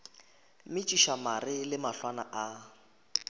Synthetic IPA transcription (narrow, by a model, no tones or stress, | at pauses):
mɪt͡ʃʼiʃamarɪlɪmaɬwanaʔa